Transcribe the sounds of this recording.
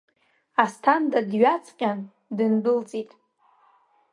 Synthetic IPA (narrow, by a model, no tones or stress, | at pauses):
astʰandʼadɥat͡sʰqʲʼan | dɨndɨlt͡sʼitʼ